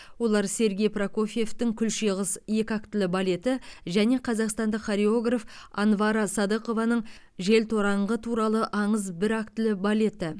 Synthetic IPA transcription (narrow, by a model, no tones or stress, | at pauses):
wo̞lˠɑɾse̞ɾɡʲe̞jprako̞fʲijeft̪ɪŋkʲʰʏlʃeʁəse̞kʲɪɑk̚t̪ɪlɪbale̞t̪ɪʒæne̞qʰɑzɑqst̪ɑnd̪əqχaɾeo̞ɡrafɑnvɑɾɑsɑd̪əqo̞vɑnəɴ | ʒe̞lt̪ʰo̞ɾɑɴʁət̪ʰuɾɑlˠəʔɑɴəzbɪɾak̚t̪ɪlɪbale̞t̪ɪ